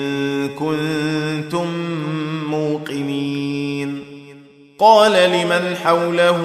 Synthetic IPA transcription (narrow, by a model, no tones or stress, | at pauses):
kʊnnt̪ʊmː | uːqɪniːn | qɑːlalɪmanħawlah